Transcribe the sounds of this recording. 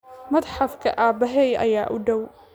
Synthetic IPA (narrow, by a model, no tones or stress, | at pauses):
mɐd̪ħafkʰɐ̰ʔaːbɐɦɛjʔɐ̰jaːʔʊɖɐw